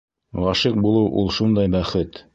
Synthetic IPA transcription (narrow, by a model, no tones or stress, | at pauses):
ʁɑʃiq̚bulˠɤwʔṵlˠʃund̪ɑjbæχɘt̪